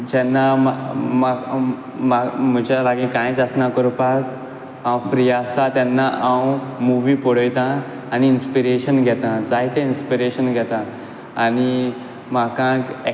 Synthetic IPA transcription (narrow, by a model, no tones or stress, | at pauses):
d͡ʑɛnːamma | mam̤əd͡ʑalaɡikãjt͡səsnakəɾupak | ãwfɾijaəst̪at̪janːaʔawmuʋipɔɽəjt̪ãː | niːnspiɾeɕənɡʱɛt̪ãd͡zaɦit̪ẽinspiɾeɕənɡʱɛt̪ãː | ñi | makãke